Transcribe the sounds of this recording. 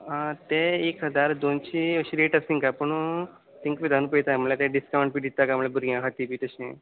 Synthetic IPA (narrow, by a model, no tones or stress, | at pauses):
t̪eekəd̪aɾd̪ont͡ɕiəɕiɾiʈəsĩŋkapəɳ̃ũ | t̪ĩŋkʋid̪ʱanupəit̪amlat̪ɛ̃ɖiskawɳʈ̚piɖ̪it̪ːakamlɛbuɾɡãkʰat̪ibit̪əɕḛ̃